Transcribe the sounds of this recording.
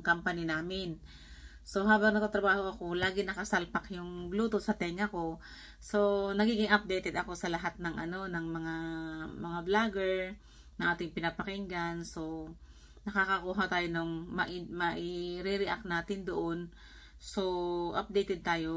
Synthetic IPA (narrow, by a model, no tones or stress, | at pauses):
kampɐnɪnaːmɪn | so̞ɦaːbɐŋnɐɡ̚t̪at̪ɾɐbaːho̞ʔɐko̞laːɡɪnɐkɐsalpɐkjʊŋbluːt̪osɐt̪ɛŋɐko̞ | so̞nɐɡiːɡɪŋʔɐp̚d̪ɛjt̪ɛd̪ɐko̞sɐlɐɦat̪̚nɐŋʔɐno̞nɐŋmɐŋamɐŋablaːɡɛɹ | nɐŋʔaːt̪ɪŋpɪnɐpɐkɪŋɡanso̞ | nɐkakɐkuːɦɐt̪aːjo̞noŋmɐʔɪmɐʔɪɾɛɾɪʔa̰k̚t̪naːt̪ɪnd̪oʔon | so̞ʔɐ̰p̚d̪ejt̪ɛd̪̚t̪aːjo̞